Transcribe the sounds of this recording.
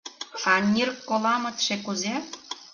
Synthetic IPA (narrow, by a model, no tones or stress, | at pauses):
ɑnʲirkːolɑmə̆t̪ʃekuze